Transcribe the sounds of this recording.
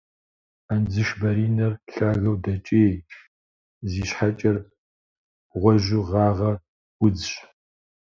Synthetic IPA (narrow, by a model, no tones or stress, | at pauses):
and͡zɨʃbɐɾiːnɐrɬaːɣɐwdɐt͡ʃʼeː | ziːɕħat͡ʃʼɐr | ʁʷɔʒɪʁɑːʁɐr | ʊd͡zɕ